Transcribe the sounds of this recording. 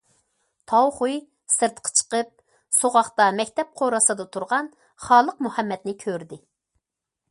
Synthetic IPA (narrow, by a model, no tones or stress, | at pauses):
t̪ʰɑwχuj | sɨɾt̪qʰə̥t͡ʃʰə̥qəp̚ | soʁɑχt̪ɑmɛkʲt̪ʰɛp̚qʰoɾɑsɑd̪ɨt̪ʰuɾʁɑn | χɑːlˠəqmuhɛmːɛt̪nɪkʲʰøɾd̪ɪ